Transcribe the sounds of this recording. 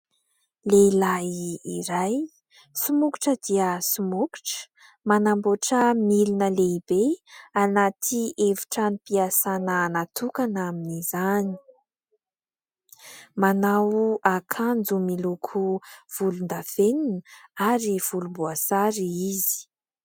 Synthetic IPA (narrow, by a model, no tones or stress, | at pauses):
lelaiːɾaj | sumuki̥ʈ͡ʂəd̪iəsumuku̥ʈ͡ʂə̥ | manamboʈ͡ʂəmilinəleibeanat̪ʰiʔevu̥ʈ͡ʂanipiasanəːnat̪ukanaminizani̥ | manawakʰand͡zumilukʰuv̥ulund̪aveninəaɾiv̥ulumbuasaɾiizi̥